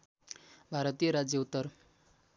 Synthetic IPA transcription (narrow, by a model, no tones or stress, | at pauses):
bʱaɾʌt̪ijəɾad͡zjʌut̪ːəɾ